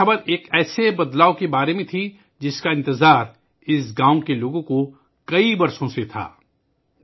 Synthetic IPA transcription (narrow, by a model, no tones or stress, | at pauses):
ɐbəɾeːkɛːsebɐd̪laːokebaːɾemẽt̪ʰi | d͡ʒɪskaɪ̃nt̪ɪzaːɾ | ɪsɡãːw̃keloːɡõko | kɐibɐɾsõset̪ʰa̰ː